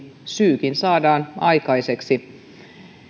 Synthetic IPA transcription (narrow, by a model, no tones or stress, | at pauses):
syːkinsɑːdɑːnɑikɑiseksi